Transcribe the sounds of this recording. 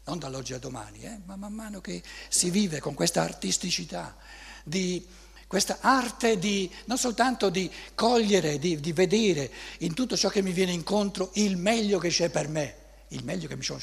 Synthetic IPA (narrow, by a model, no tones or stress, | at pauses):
nond̪alɔd͡ʒːiad̪ːoma̰ːnḭɛmamːamːaːnok̟esiviːvekoŋkwest̪aːrt̪ist̪it͡ʃit̪a | d̪i | kwest̪aʔart̪ed̪inonsolt̪ant̪od̪ikɔʎːeɾed̪id̪ived̪eːɾeint̪ut̪ːot͡ʃɔkːemːivjɛːneiŋkont̪ɾoilmɛʎːoket͡ʃːɛpːerme | ilmɛʎːokemːisɔ